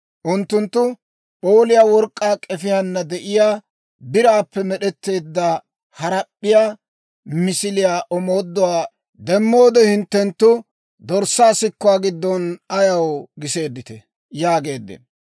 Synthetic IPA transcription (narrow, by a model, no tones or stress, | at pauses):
ʔʊnt̪ːʊnt̪ːʊ | pʼo̞ːlɪjaːwɔɾkʼːaːkʼɛfɪjɐnːɐd̪ɛʔɪjaː | bɪɾaːpːɛmɛɗɛt̪ːe̞ːd̪ːɐ | hɐɾɐɗːɪjaː | mɪsɪlɪjaːʔɔmo̞ːd̪ːɔwaː | d̪ɛmːo̞ːd̪ɛhɪnt̪ːɛnt̪ːʊ | d̪ɔɾsːaːsɪkːʊwaːɡɪd̪ːɔnɐjɐwɡɪse̞ːd̪ːɪt̪ɛ | jaːɡe̞ːd̪ːɛ̰